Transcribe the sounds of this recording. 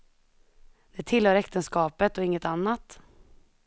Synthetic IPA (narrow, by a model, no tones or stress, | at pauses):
d̪̥ɛt̪ʰɪlhœːɾɛkt̪ənskɑːpət̪ɔɪŋːət̪anːat̪